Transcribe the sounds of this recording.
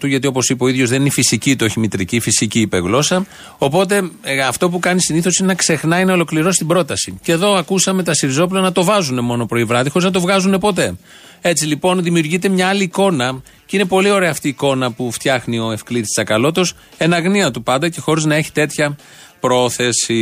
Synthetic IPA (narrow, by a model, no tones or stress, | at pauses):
t̪uʝɐt̪io̞po̞sipɐoiðʝo̞zðe̞ninifisicit̪o̞çimit̪ɾicifisiciːpḛɣlo̞sɐ | o̞po̞t̪̬e̞ɐft̪o̞pukɐnisiniθo̞sinenɐkse̞xnɐinɐo̞lokliɾo̞si̥t̪ibɾo̞t̪ɐsiceðo̞ɐkusɐme̞t̪ɐsiɾizo̞p̬ulɐnɐt̪o̞vɐzune̞mo̞no̞pɾo̞ivɾɐðixo̞ɾiznɐt̪ovɣɐzune̞po̞t̪̬e̞ | et͡silipo̞nðimiuɾʝit̪e̞mɲɐɐliːko̞nɐ | ceine̞po̞lio̞ɾe̞ɐːft̪iːko̞nɐpuft̪çɐxnio̞e̞fklit̪i̥ssɐkɐlo̞t̪o̞s | e̞nɐɣniɐt̪upɐnd̪ɐce̞xo̞ɾiznɐe̞çi̥t̪e̞t̪çɐ | pɾo̞θe̞si